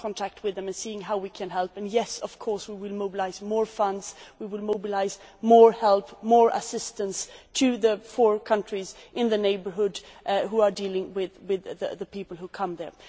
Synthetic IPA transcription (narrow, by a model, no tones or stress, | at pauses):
kʰɔ̃ntʰæk̚t̚wɨðɨ̃mɨ̃nsiɪ̃ŋɦaʊwikʰɨ̃nɦɛlˠpɨ̃njɛsʌv̥kʰɔɹswiwɪlˠmoʊbəlaɪzmɔɹfʌ̃ndz̥wiwɪlˠmoʊbəlaɪzmɔɹhɛlˠpmɔɹʔə̰sɪstə̃nstʰɨðɨfɔɹkʰʌ̃nt͡ʃɹ̥izʔɪ̃nðɨneɪbə˞ɦʊd | ɦuə˞dilˠɪ̃ŋwɪðwɪðəðəpipəl̩ˠhukʰʌ̃mðə̰˞